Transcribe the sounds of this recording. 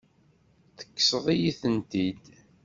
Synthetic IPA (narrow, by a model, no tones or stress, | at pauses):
θə̥kːsəðˤijiθənt̪id̪